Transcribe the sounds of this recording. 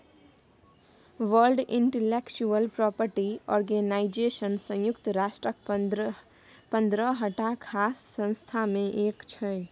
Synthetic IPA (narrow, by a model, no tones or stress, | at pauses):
ʋəlɖɪ̃ɳʈeleːkt͡ʃuəlpɾɔːpəɾʈiɔ̰ːɾɡeːnaːɪd͡ʒeːʃənsə̃jʊkt̪ɾaːʃʈɾək | pə̃nd̪ɾəɦəʈakʰaːsːə̃nst̪ʰamẽʔeːkt͡ʃʰəe